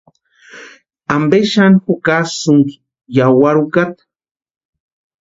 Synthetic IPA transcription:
ambeʃanxukasuŋki̥ | jawaɾukat̪

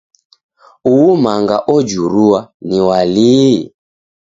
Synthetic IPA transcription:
uwumaŋɡa̰ʔɔd͡ʒuɾuwaniwali

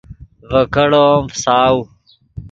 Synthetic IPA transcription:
vɐkɐɽoːmfsaːw

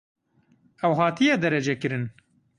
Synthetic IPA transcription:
ɛwɦɑːt̪ijɛd̪ɛɾɛd͡ʒɛkɨɾɨn

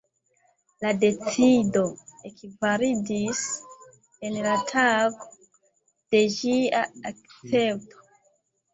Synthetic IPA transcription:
lade̞t͡sido̞ekvaɾidis | enlatʰaɡo | d̥e̞d͡ʒiaak̚t͡se̞p̚tʰo̥

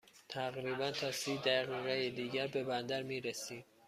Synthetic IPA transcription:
t̪ʰæɣɾiːbænt̪ʰɒːsiːd̪æʁiːɣejed̪iːɟæɾbe̞bænd̪æɾmiːɾesiːm

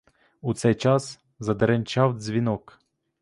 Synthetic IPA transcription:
ut̪sɛjt͡ʃɑs | zɐd̪ɛɾenʲt͡ʃɑwd͡zʲʋʲinɔk

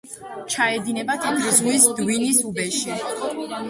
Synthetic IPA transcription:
t͡ʃʰaɛd̪inɛbat̪ʰamʰɾzʁwisd̪winisubɛʃi

